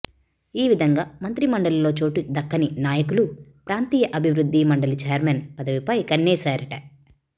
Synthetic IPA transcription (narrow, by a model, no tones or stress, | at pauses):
iːʋid̪ʱɐŋɡaːmɐnt̪ɾimɐɳɖɐlɐlo̞ːt͡ʃoːʈud̪ɐkːɐninaːjɐkulupɾaːnt̪iːjɐʔɐbʱiʋɾud̪ʱːimɐɳɖɐlut͡ʃɛːjɐɾmenpɐd̪ɐʋipɐjkɐnːɛːsaːɾɐʈɐ